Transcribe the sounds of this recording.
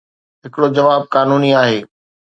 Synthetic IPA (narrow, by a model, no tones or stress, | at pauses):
ɦɪkɪɽod͡ʑɐʋaːb̚kaːnuːniaːɦeː